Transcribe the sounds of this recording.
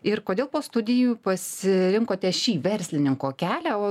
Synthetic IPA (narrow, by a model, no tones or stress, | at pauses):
ɪrkoːdʲeːlˠpoːst̪ʊd̪ʲɪjupɐsʲɪɾʲɪŋkoːt̪ʲɛʃʲiːʋʲɛɾʲsʲlʲɪnʲɪŋkoːkʲæːlʲæoː